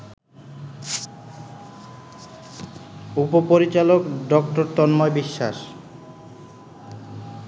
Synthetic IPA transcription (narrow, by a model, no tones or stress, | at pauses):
upopoɾit͡ɕalokɖɔk̚ʈoɾt̪ɔnmɔebiʃːa̰ʃ